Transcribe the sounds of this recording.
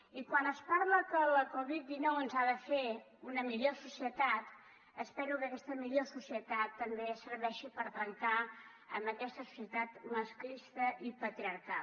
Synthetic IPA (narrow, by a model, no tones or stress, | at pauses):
ikwanəspaɾləkələkɔβit̪̚d̪inɔwənzaðəfe | unəmiʎosusiət̪at̪ | əspɛɾukəkɛst̪əmiʎosusiət̪at̪ːəmbeəsəɾβɛʃipəɾt̪ɾəŋt̪a | ə̰mbəkɛst̪əsu̥siət̪at̪məsklist̪əʔipət̪ɾiəɾka